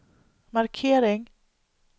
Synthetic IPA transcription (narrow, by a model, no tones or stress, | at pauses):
maɾkʰeːɾɪŋ